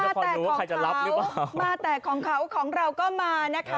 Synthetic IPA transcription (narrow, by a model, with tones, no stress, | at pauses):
maː˦˥˧ɔː˧ɛː˨˩˧ɔː˧˦kʰa˧jt͡ɕa˨la˦˥˨p̚ɾɯ˦˥aː˨˩maː˧t̪ɛː˨˩kʰɔː˩˦ŋkʰa˩˦wkʰɔː˩˦ŋɾa˧wkɔː˥˩maː˧na˦˥kʰa˦˥